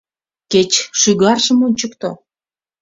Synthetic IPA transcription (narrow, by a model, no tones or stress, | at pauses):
ket͡ɕʃyɣɑrʒəmonʲt͡ɕəkt̪o